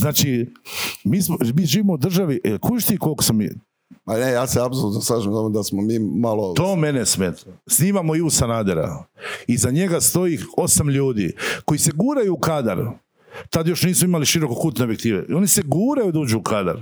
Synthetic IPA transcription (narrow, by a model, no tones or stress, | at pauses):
znaːt͡ʃi | miːsmomiːʒiːʋimo̞ud̪r̩ʒaʋiʔekʰuʃt̪iko̞lkosamḭ | anejaːseabs̬olut̪noslaːʒimt̪omod̪asmomiːmalot̪o̞ːmenesmet̪sniːmamoiusanaːd̪eɾa̰izaɲe̞ɡast̪o̞io̞samʎuːd̪ḭko̞jiseɡuːɾajuːkad̪a̰ɾ | t̪ad̪jo̞ʃniːsmoimaliʃiɾo̞kokuːt̪neobjek̚t̪iːʋḛo̞niseɡuːɾajud̪aud͡ʒuːkʰad̪a̰ɾ